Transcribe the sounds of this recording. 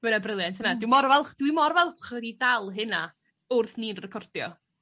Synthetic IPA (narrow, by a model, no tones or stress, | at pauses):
ɡ̥ɛɾabrɪlˠjantʰənadɪwmɔrvɛlˠχd̥wimɔrvɛlˠχɛdidalˠɦɨna | ʊrθniːnrɛkʰɔrdjɔ̰